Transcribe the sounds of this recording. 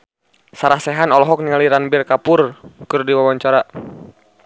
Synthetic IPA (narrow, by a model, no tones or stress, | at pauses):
saɾasɛɦanɔlɔɦɔk̚niŋaliɾanbɪrkapʊrkɨrdiwawaɲt͡ʃaɾa